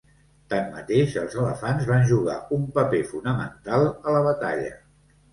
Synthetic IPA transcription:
t̪amːə̰t̪eʃəlˠzələfanzβanʲʒuɣa̰umpəpefunəmə̰nt̪alˠələβ̞ət̪a̰ʎə̰

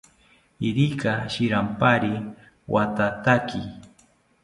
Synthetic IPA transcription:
iɾikaʃɪɾampaɾi | wʔat̪at̪akɪ

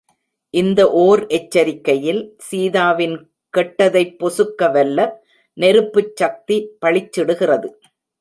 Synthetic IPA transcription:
ʔɪnd̪ɐʔoːɾʔɛt͡ʃːɐɾɪkːɐjɪlsiːðaːʋɪn | kɛʈːɐðɐɪpːɔsɯkːɐʋɛlːɐ | nɛɾɯpːɯt͡ʃːɐk̚t̪ipɐɭɪt͡ʃːɪɽɯɣɪrɐðɯ

